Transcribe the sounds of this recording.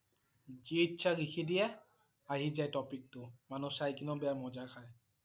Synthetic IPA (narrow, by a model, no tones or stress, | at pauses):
ziitːsʰaɡixʰidijɛ | aɦizajtɔpik̚tʊmanusajkinɔbɛjamɔzaxʰaj